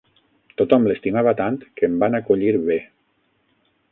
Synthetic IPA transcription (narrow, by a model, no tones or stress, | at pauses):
t̪ot̪ɔmlest̪imaβat̪ant̪kəmbanakoʎiɾβe